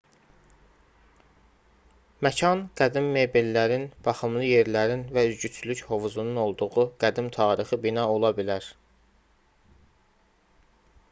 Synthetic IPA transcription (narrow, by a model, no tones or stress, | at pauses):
mæcʰɑnɡ̥æd̪imːe̞belːæɾinb̥ɑχɯmlˠɯje̞ɾlæɾinvæyzɟyt͡ʃ̪ʰylycho̞vuzununo̞lˠd̪uʁuɡ̥æd̪imt̪ʰɑːɾixɯbinɑo̞lˠɑbilæɾ